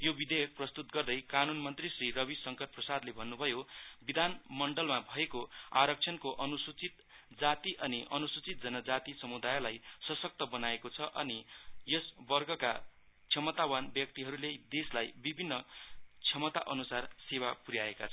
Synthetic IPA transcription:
jobid̪ejʌk̚prʌst̪ut̪ɡʌrd̪ʌjkanunmʌnt̪risrirʌbisʌŋkʌt̚prʌsad̪lebʱʌnːubʱʌjobid̪ʱanmʌɳɖʌlmabʱʌekoaɾʌk̚t͡sʰʌnkoʔʌnusut͡sit̪ | d͡zat̪iʔʌniʔʌnusut͡sit̪̚d͡zʌnʌd͡zat̪isʌmud̪ajlajsʌsʌk̚t̪ʌbʌnaekot͡sʰʌʔʌ̰nijʌsbʌrɡʌka̰ | t͡sʰjʌmʌt̪awanbjʌk̚t̪iɦʌɾuled̪eslajbibʱinːʌt͡sʰjʌmʌt̪a̰ʔʌnusarsewapuɾjaekat͡sʰʌ

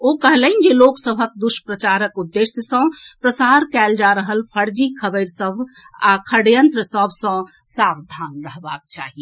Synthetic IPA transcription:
okəɦlən̆d͡ʒeloksəbʱəkd̪uʃəpɾət͡ʃaɾəkud̪ːesjəsə̃pɾəsaɾkɛld͡ʒaɾəɦəlpʰəɾd͡ʒikʰəbəɪɾsəbʱakʰəɽjənt̪ɾəsəbʱsə̃sabd̪ʱanɾəɦbak̚t͡ʃa̰ɦiɛ

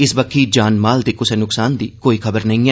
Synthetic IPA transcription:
ɪsbəkʰːiːd͡ʒaːnmaːld̪iːkʊseːnʊksaːnd̪ḭːkoːiːkʰəbəɾnəĩːɛː

